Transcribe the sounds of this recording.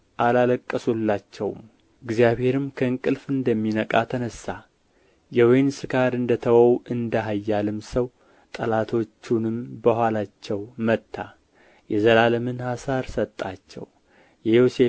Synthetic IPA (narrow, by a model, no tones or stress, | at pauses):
ʔalaləkʼːəsulːat͡ʃːɛwm | ɨɡzijaβhe̞ɾɨmkʰəɨŋkʼɨlfɨnd̪əmːinəkʼat̪ʰənəsa | jɛwɔjnsɨkʰaɾɨnd̪ət̪ʰəwəwʔɨnd̪əɦajːalɨmsəw | t̪ʼə̰lat̪ʰo̞t͡ʃːunɨmbəɦʷalat͡ʃːɛwmət̪ʰːa | jɛzəlaləmɨnhasaɾsət̪ʼːat͡ʃːɛ̰w | jɛjo̞se